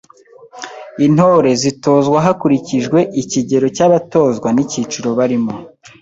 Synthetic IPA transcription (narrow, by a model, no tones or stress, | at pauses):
in̥ho̞ɾe̞zito̞ːzɡwaɦakuɾiciʒɡwe̞ʔiciɟe̞ɾo̞caβato̞ːzɡwanicit͡ʃuɾo̞βaɾimo